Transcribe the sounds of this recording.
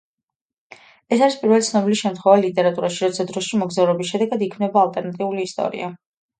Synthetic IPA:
ɛsaɾispʼiɾvɛlit̪sʰnɔbiliʃɛmt̪χwɛvalit̪ʼɛɾat̪ʼuɾaʃiɾɔt̪sʰad̪ɾɔʃimɔɡzavɾɛbisʃɛd̪ɛɡad̪ikʰmnɛbaːlt̪ʼɛɾnat̪ʼiuliːst̪ʼɔ̰ɾḭa

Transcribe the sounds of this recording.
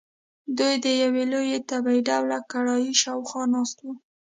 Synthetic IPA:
d̪ujd̪əjawelojet̪abaiɖawlakaɽɑjiʃɑwxɑnɑst̪wu

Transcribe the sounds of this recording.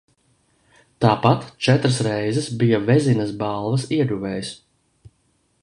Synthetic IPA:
t̪aːpat̪t͡ʃɛt̪ɾɐsɾɛjzɛsbijavɛzinɐsbalˠvɐsiɛɡuvɛːjs

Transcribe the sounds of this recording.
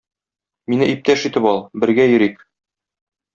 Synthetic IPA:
minɘʔip̚t̪æʃit̪ɘpɒlˠbɘ̆ɾɡæjɵ̆ɾik

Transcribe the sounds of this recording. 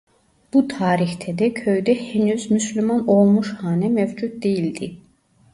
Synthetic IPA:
b̥ut̪ʰɑːɾixt̪ʰɛd̪ɛcʰøjd̪ɛhenyzmyslymɑnolˠmuʃhɑːnɛmevd͡ʒut̪̚d̪ejild̪i

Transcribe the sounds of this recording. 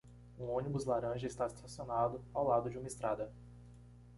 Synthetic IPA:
ũõnibʊzlaɾɐ̃ʒɐist̪asi̥t̪asionad̪ʊawlad̪ʊd͡ʒɪũmɐest̪ɾad̪ɐ

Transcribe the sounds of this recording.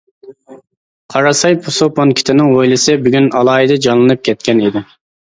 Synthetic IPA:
qʰɑɾɑsɑjpʰʊsoponkʲʰɪ̥t̪ʰɪnɪŋwojlˠɨsɪbyɡʲynɑlˠɑːid̪ɨd͡ʒɑnlˠɨnɨp̚kʲʰɛt̪̚kʲɛnid̪ɪ

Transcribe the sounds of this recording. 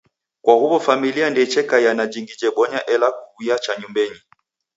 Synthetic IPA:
kwahuβɔfamiliandɛt͡ʃɛkaijanad͡ʒiŋɡid͡ʒɛɓɔɲaʔɛlakuiat͡ʃaɲumbɛɲi

